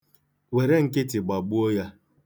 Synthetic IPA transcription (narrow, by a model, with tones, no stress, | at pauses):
we˨ɾe˦ŋ̩˦kɪ˦tɪ˨ɡ͡ba˨ɡ͡bu˦o˦ja˦